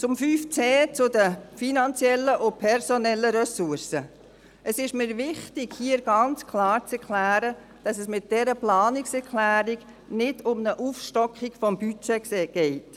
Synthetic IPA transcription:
t͡sʊmfyːft͡seːt͡sʊdəfinɑnt͡sjɛlːəʔʊpʰɛɾsɔnɛlːəɾɛsuɾsə | ʔəsɪʃmɪːɾʋɪχtɪɡ̥hiːəɾɡ̥ɑnt͡skʰlɑːɾt͡sɛɾkʰlæːɾə | d̥ɑsəsmɪt̚d̥ɛɾəplɑːnɪksɛɾkʰlæːɾiɡ | nɪdʊmnəʔuːfʃtɔkχiɡ̥fɔmbyt͡ʃɛsɛɡ̥ɛɪt

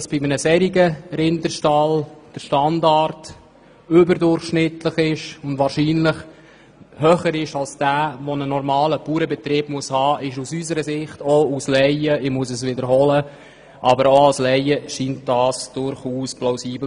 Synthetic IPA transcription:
sb̥ɪmənəsɛɾiɡəɾɪndəʃtɑld̥əɾʃtɑndɑɾt | ʏbəɾdʊɾχʃnɪtləχɪʃʊndʋɑːɾʃiːnlɪχ | hœχəɾɪʃɑlsd̥æːʋɔnənɔɾmɑːləpuːɾəbɛtɾɪːbmuəshɑːʔɪʃusysəɾəsɪχtouslɛɪəɪmuəs̬əs̬ʋɪdəɾɦɔlə | ʔɑbəɾoɑlslɛɪəʃiːnt̚d̥ɑːsd̥ʊɾχuːsplaʊsiːbl

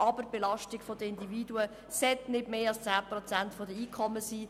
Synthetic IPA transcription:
ʔɑbərbelɑʃtiɡ̥fɔd̪əɪndividuə | sɛtnɪdmeːɑlst͡saːprɔt͡sæntfɔdəiːkʰɔmːəsiː

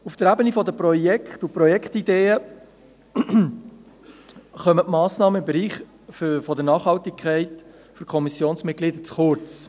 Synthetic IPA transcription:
ufd̥əɾæbənifɔdəpɾɔjɛkχtʊpɾɔjɛkχtid̪eːə | χœmətmɑːsnɑːməɪmbɛɾiːχ | ffɔdənɑːχhɑltɪkʰɛɪt | fyɾkʰɔmisjoːnsmɪt̚ɡ̥lid̪ət͡sχʊɾt͡s

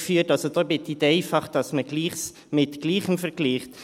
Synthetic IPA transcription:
fyːtɑlsod̪oːbɪt̪ːit̪ɛɪfɑχd̥ɑsməɡ̥liːχs | mɪtɡ̥liːχəmfɛɾɡ̥liːχt

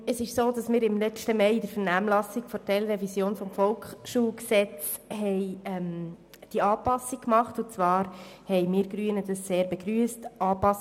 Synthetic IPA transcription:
əsɪʃsoːdɑsmɪːɾɪmlɛt͡ʃtəmɛɪɪdəɾfəɾnæːmlɑsikfɔtɛlɾɛvisjoːnfɔmfɔlkχʃuːksɛt͡s | hɛɪɛm | d̥iɑːpɑsikkːmɑχtʊt͡sʋɑːɾhɛɪmɪːɾɡɾyːənədɑsseːɾbɛɡ̥ɾyːəstʔɑːpɑs

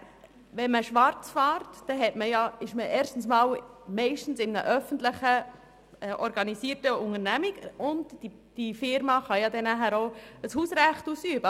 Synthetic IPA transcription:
ʋɛnməʃʋɑɾt͡sfɑːɾtd̥ɛɦɛtməjɑɪʃməʔɛːɾʃtn̩smɑːlmɛɪʃtn̩sɪmnəʔœfən̩tləχə | ɛʔɔɾɡ̥ɑnisiːəɾtəʊŋəɾnæmikʊnd | d̥ifɪɾmɑχɑjɑdɛnæɦæːɾoəshuːsɾæχtusyːbə

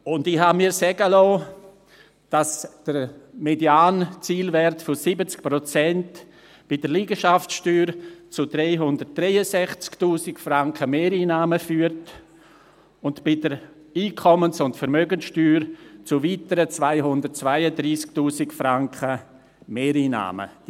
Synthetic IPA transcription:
ʊndɪhamiːɾsɛɡəlɔː | d̥asd̥əɾmedjaːnt͡siːlvɛrtfɔsibət͡sk̚pɾɔt͡sɛnt | b̥ɪdəɾliːɡəʃaftʃtyːɾt͡sʊdɾɛɪɦʊndəɾt̚d̥ɾɛɪəsɛχt͡sktuːsɪkfraŋkəmeːɾiːnaːməfyːəɾt | ʊntb̥ɪdəɾ | iːkʰɔmənsʊntfəɾmøɡənsʃtyːɾt͡sʊviːtəɾət͡svaɪɦʊndərt̚t͡svaɪədɾiːsktuːsɪkfɾaŋkχə | meːɾiːna̰ːmə̰

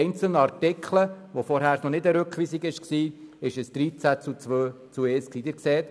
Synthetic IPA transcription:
ɪnt͡səl̩nəɑɾtɪkʰlə | ʋofɔɾɦæːɾsnɔnɪdəɾɵkχʋiːsiɡɪʃksiːɪʃəsd̪̥ɾiːt͡sæt͡sut͡sʋø | t͡sueːsksiːd̥̪ɪːɾkseːt̪

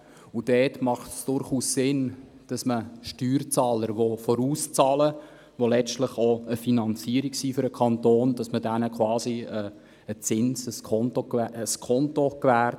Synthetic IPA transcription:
ud̥ɛːtmɑχtsd̥ʊɾχuːssɪn | d̥ɑsməʃtyːɾt͡sɑːləɾʋofɔɾuːst͡sɑːlə | ʋolɛt͡ʃtləχoəfinɑnt͡siːəɾiksiːfʏɾəkʰɑnt̪oːnd̥ɑsmədænəkʰwɑːsiə | ət͡sɪnsəskʰɔntokːəskʰɔntokʋæːɾt

